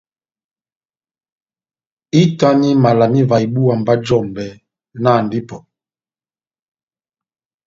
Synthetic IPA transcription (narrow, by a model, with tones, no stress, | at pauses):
i˦ta˦ni˦ma˨la˨mi˦va˨i˨bu˦a˨m˨ba˦d͡ʒɔ˦˨mbɛ˨ | na˦˨n˨di˦pɔ˨